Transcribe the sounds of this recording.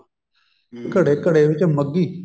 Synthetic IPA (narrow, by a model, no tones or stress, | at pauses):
kəɽeːkəɽeːʋɪt͡ʃməɡːiː